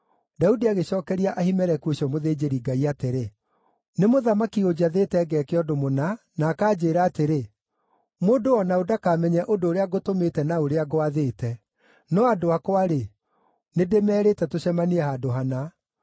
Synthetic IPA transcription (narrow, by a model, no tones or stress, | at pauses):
daudiaɣeɕɔːkɛɾiaʔahimɛɾɛkuoɕiɔmoðeːd͡ʑeɾiɡaiateɾe | nemoðamakiod͡ʑaðetɛɡɛkeɔdomona | naːkaːd͡ʑeːɾaːteɾe | moːdoɔnaodakaːmɛɲɛʔodoːɾeaɣotometɛnaoɾeaɣoaðetɛ | nɔadoakwaɾe | nedemɛːɾetɛtoɕɛmaniɛhadoɦana